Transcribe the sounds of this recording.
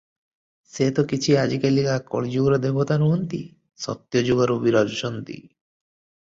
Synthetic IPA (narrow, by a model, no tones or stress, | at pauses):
set̪ɔkit͡ʃʰiad͡ʒikelikakɔ̰ɭid͡ʒuɡɾɔd̪ebɔt̪anuɦɔnt̪i | sɔ̰t̪jɔd͡ʒuɡaɾubiɾɔd͡ʒɔʃɔnt̪ḭ